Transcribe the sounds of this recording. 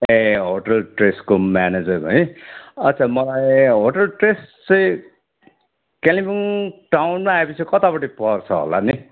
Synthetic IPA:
eɦoʈʌlʈreskomaned͡zʌrʌiʌtːt͡sʰamʌlajɦoʈʌlʈrest͡sʌ̃ĩ | kelibiŋʈawnmaːepʌt͡sʰikʌt̪apʌʈipʌrt͡sʰʌɦo̰lani

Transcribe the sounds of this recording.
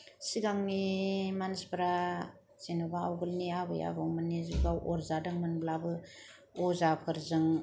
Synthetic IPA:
siɡaŋnimansbɾa | z̥enɯbaa̰wɡɯlniabɯja̰bɯwmanːizuɡawʔɔɾzadɯŋmɯnblabɯ | ɔzapʰɯɾzɯŋ

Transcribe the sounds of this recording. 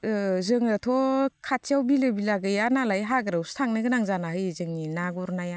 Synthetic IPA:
zɯŋɯtʰɔkʰatiawbilɯbilaɡɯjanalajɦaɡɯɾɯwstʰaŋnɯɡɯnaŋzanahɯjzɯŋninaɡɔɾnaja

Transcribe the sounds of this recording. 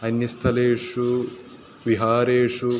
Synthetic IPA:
ɐnjɐst̪ʰɐleːʂu | ʋiɦaːɾeːʂu

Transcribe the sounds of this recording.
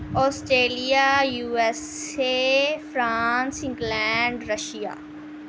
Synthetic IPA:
ɔːsʈɾeːlijaːjuːɛsefɾãːnsɪ̃ŋɡlɛːɳɖɾəʃija̰ː

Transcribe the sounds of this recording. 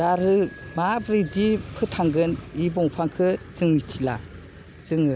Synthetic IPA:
daɾɯmabɾidipʰɯtʰaŋɡɯnibɔŋpʰaŋkʰɯsɯŋmitʰila̰ | sɯŋɯ

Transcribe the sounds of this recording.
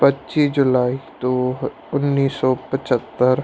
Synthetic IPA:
pətːt͡ʃisd͡ʒʊlaːit̪o | ʊnːiːsɔːpət͡ʃət̪ːəɾ

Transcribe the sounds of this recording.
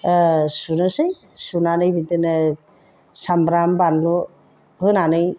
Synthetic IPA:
sunɯsɯj | sunanɯjbit̪ɯn | sambɾambanlu | ɦɯnanɯj

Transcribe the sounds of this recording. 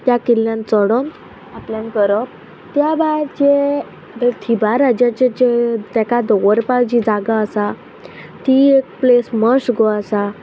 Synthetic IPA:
t̪jakilːjãnt͡sɔɽon | apljãnkəɾəp̚ | t̪jabajɾt͡ɕe | bet̪ʰibaɾad͡ʑat͡ɕet͡ɕet̪akad̪ɔwəɾpad͡ʑid͡zaɡaəsa | t̪iek̚plesməsɡɔəsa

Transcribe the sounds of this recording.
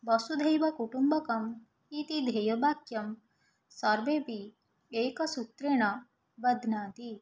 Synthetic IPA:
bɐsud̪ʱɐjʋɐkuʈumbɐkɐm | it̪id̪ʱejɐbʱaːkjɐm | sɐɾʋeːpi | eːkɐsut̪ɾeɳɐ | bɐd̪ʱnaːt̪i

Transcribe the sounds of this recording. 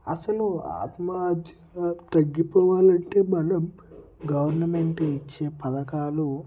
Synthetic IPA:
ɐsɐlua̰ːt̪mad̪ʱjɐt̪ɐɡːipɔːʋaːlɐɳʈe̞ːmɐnɐm | ɡɐʋɐɾnɐmeɳʈeit͡ʃːe̞ːpɐd̪ɐkaːlu

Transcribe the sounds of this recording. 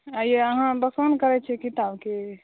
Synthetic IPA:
əjeəɦãbəkənkəɾɛt͡ʃʰɛkit̪abke

